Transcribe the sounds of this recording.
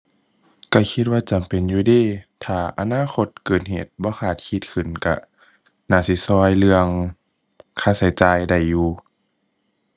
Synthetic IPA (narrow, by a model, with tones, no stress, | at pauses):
ka˧˩kʰi˧t̪̚waː˧t͡ɕa˨˩mpe˨njuː˧˦diː˧˩˨t̪ʰaː˨˧˩ʔa̰˧naː˧˥˨xo˧t̪̚kɤː˨˩t̪̚ɦeː˨˩t̪̚bɔː˧˦xʰaː˨˩t̪̚kʰi˧˦t̪̚kʰɯ˨˩nka̰˧ | naː˧˩si˧˦sɔː˧jlɯ˧əŋ | kʰaː˧˩sa˨˦jt͡ɕaː˧jda˧˩jːuː˧